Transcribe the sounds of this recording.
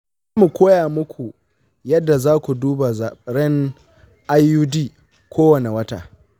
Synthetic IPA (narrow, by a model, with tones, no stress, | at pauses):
zaː˦mu˨kʷoː˦jaː˨mʊ˦kʷu˨ | jɐ˦dːa˨zaː˦kʷu˨duː˦ba˨zaː˨ɽɛ˦ŋ | ʔa˦jːuː˦diː˦ | kʷʰoː˦wɐ˨ne˨wɐ˦ta̰ː˨